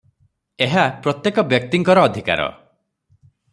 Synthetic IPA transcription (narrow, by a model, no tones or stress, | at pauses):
eɦapɾɔt̪jekɔbjɔk̚t̪iŋkɔɾɔːd̪ʱika̰ɾɔ̰